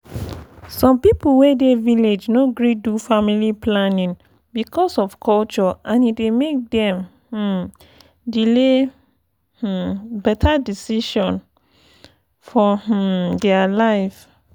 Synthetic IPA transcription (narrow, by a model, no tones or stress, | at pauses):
sɔ̃mpipuwedeviled͡ʒnoɡɹidufamiliplanĩn | bikʰɔsɔfkʰɔlt͡ʃɔãnidemek̚dɛ̃m | h̩ | dile | h̩bɛtʰadisiʃɔ̃n | fɔh̩dɛalaɪf